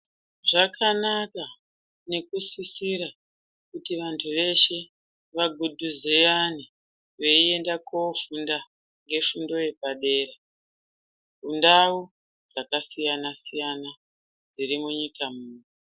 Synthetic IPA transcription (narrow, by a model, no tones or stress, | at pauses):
ʐakʰanaka | ne̞kusisiɾa | kutiʋantʰuʋe̞ʃe̞ | ʋaɡʱudʱuzejani | ʋe̞ie̞ndakofunda | ŋɡe̞fundo̞je̞paɗe̞ːra | vundau | d͡zakasijanasijana | d͡ziɾimuɲikamuːni